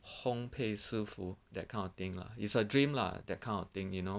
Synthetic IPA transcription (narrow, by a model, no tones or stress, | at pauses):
hõmpʰesufudɛt̚kʰãɪ̃nɔt̪ɪ̃ŋkla̰itsədɹĩmla̰dɛt̚kʰãɪ̃nɔt̪ɪ̃ŋjuno